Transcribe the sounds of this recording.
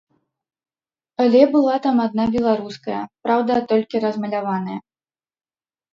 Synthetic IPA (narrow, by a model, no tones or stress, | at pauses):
alʲɛbɨlˠat̪amad̪̚nabʲɛlˠaɾuskɐjɐpɾawd̪ɐt̪ɔlʲkʲiɾɐzmɐlʲavan̪ɐjɐ